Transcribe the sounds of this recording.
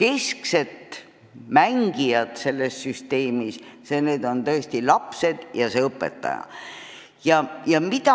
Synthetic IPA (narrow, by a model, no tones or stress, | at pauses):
ke̞skse̞t̪ | mæŋɡ̥ijɑt̪se̞lːe̞sːyst̪e̞ːmisseneːd̪o̞nt̪ɤest̪ilɑpse̞d̪̥jɑseɤpːˑe̞̰t̪ːɑ̰jɑ̰ | jɑjɑmit̪ɑ